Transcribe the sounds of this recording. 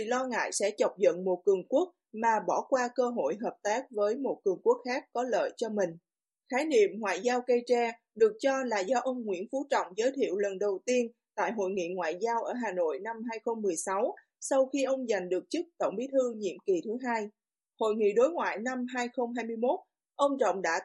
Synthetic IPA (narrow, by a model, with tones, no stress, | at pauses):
i˧˨lɔ˧ŋa̰ː˧˨jsɛ̰˧˥t͡ɕə˨˩wk͡p̚zə̰˧˨nmo˨˩t̚kɨ˨˩əŋku˦˥ək̚maː˨˩ɓɔ˧˩kwaː˧kəː˧ɦo̰˧˨jɦəː˨˩p̚t̪aː˦˥k̚vəː˨˦jmo˨˩t̚kɨ˨˩əŋku˦˥ək̚xaː˦˥k̚ːɔ˨˦lə̰ː˧˨jt͡ɕɔ˧mï˨˩ŋ̟ | xaː˨˦jnḭ˧˨əmŋwa̰ː˧˨jzaː˧wkə˧jt͡ɕɛ˧ | ɗɨ˨˩ək̚t͡ɕɔ˧laː˨˩zɔ˧ʔə˧wŋ͡mŋwḭ˧˥ənfu˨˦t͡ɕɔ̰˧˨wŋ͡mzəː˨˦jt̪ʰḭ˧˨əwlə˨˩nɗə˨˩wt̪i˧ənt̪a̰ː˧˨jɦo̰˧˨jŋḭ˧˨ŋwa̰ː˧˨jzaː˧wʔəː˧˩ɦaː˨˩no̰˧˨jna˧mɦaː˧jxə˧wŋ͡mːɨ˨˩əjsa˨˦w | sa˧wxi˧ʔə˧wŋ͡mza˨˩jŋ̟ɗɨ˨˩ək̚t͡ɕɨ˦˥k̚t̪ə̰˧˩wŋ͡mɓi˨˦t̪ʰɨ˧ɲḭ˧˨əmki˨˩t̪ʰɨ˨˦ɦaː˧j | ho̰˧˨jŋḭ˧˨ɗo˨˦jŋwa̰ː˧˨jna˧mɦaː˧jxə˧wŋ͡mɦaː˧jmɨ˧əjmo˦˥t̚ | ʔə˧wŋ͡mt͡ɕɔ̰˧˨wŋ͡mɗa̰ː˧˥